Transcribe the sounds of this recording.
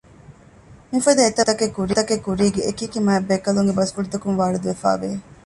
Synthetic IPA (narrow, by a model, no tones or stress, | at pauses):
mifɐd̪ɐet̪ɐt̪ɐkekuɾit̪ɐkekuɾiːɡeːkikimɐebːekɐluŋɡebɐskuɽut̪ɐkumʋaːɾud̪uʋefa̰ːʋe